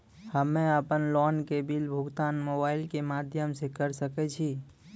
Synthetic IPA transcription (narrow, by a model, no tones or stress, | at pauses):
həmẽəpənlɔnkebilbʱuɡt̪aːnmobaːɪilkemaːd̪ʱjəmsekəɾsəkɛt͡ʃʰi